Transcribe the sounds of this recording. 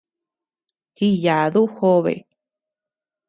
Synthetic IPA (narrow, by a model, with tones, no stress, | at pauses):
hi˧ja˨ðu˦ho˦βḛ˨